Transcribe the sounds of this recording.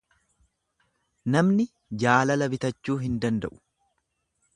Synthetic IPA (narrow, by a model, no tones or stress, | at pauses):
nɐmnɪ | d͡ʒaːlɐlɐbɪt̪ɐt͡ʃːuːɦɪnd̪ɐnd̪ɐʔʊ̥